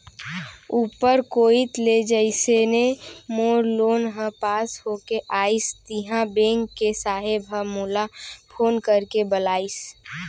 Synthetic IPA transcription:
uːpəɾkoːit̪led͡ʒəɪsenemoːɾloːnɦə̃paːshokeʔaːɪst̪iɦãbẽŋkːesaːɦebʱəmulapʰoːnkəɾkebəlaːis

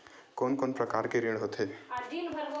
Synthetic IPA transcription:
koːnkoːnpɾɐkaːɾkeɾeːɽɦot̪ɦeː

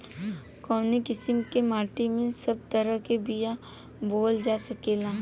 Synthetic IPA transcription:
kɔːnikɪsɪmkemaːɾʈimẽsɐb̚t̪əɾəɦkebija | boːld͡ʒaːsɐkeːlãː

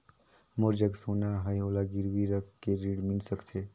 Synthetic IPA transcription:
moɾd͡ʒəɡsoːnaɦəjolaɡɪɾʋiɾəkːeɾiːɽmɪlsəkt̪ʰe

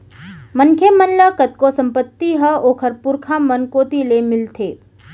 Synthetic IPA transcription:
məŋkʰjemənləkət̪̚kosɐ̃mpət̪ːiɦəoːkʰəɾpʊɾkʰamənkoːt̪ilemɪlt̪ʰeː

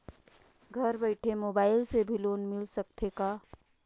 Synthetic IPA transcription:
ɡʱɐɾbəɪʈʰemoːbaːɪlsebʱiloːnmɪlsɐk̚t̪ʰekaː

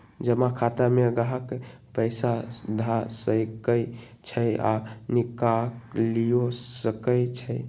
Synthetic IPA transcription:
d͡ʒəmakʰat̪ameɡaɦək | pəɪsad̪ʱasəjkəj | t͡ʃʰəja̰nikaklijosəkəjt͡ʃʰəj

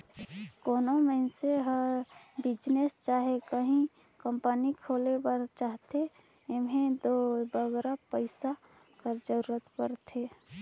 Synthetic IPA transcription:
koːnoməɪnseɦəɾbɪd͡ʒnest͡ʃaːɦekəɦĩ | kəmpənikʰolebəɾt͡ʃaːɦt̪e | emɦẽd̪obəɡɾapəɪsa | kəɾd͡ʒəɾuɾət̪pəɾt̪ʰe

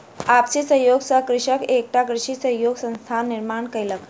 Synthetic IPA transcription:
apt͡ɕisəjoɡsəkɾɪɕəkek̚ʈ̪akɾɪʂisəjoɡsə̃nst̪ʰanːiɾmaɳkəjlək

